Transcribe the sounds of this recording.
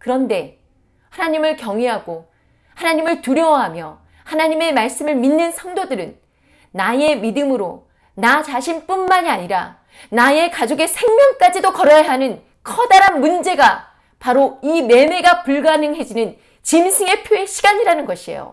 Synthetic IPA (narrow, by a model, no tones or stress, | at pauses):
kɯɾʌnde̞ | hanaɲimɯɭkjʌŋeɦaɡo | hanaɲimɯɭtuɾjʌɦamjʌ | hanaɲime̞maɭs͈ɯmɯɭminːɯnsʰʌŋdodɯɾɯnː | ae̞midɯmɯɾo | nat͡ɕaɕʰinp͈unmaɲiaɲiɾa̰ | nae̞kad͡ʑoɡe̞sʰe̞ŋmjʌŋk͈ad͡ʑidokʌɾʌjɦanɯn | kʰʌdaɾanmund͡ʑe̞ɡa | paɾoime̞me̞ɡapuɭɡanɯŋɦe̞d͡ʑinɯn | t͡ɕimsʰiŋe̞pʰjoeɕʰiɡaɲiɾanɯnɡʌɕʰiḛjo̰